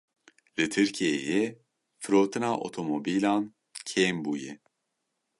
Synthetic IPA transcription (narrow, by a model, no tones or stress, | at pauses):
lɨt̪ʰɨɾcʰijejɛ | fɨɾoːt̪ʰɨnaːʔo̰t̪ʰomobiːlaːn | cʰeːmbuːjɛ